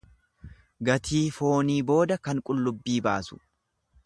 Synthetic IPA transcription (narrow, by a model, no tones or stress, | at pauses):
ɡɐt̪ʰiːfo̞ːniːbo̞ːd̪ɐkɐŋkʼʊlːʊbːiːba̰ːsʊ̥